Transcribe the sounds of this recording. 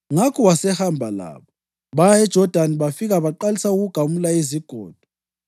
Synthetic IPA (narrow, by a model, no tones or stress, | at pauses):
ŋakʰɔwasɛhambʱala̰ːβɔ | βajaɛd̥ʒ̥ʱɔd̥ʱaniβafiɣaβaǃalisauɣuɡ̥ʱamulaiziɡ̥ʱɔːd̥ʱɔ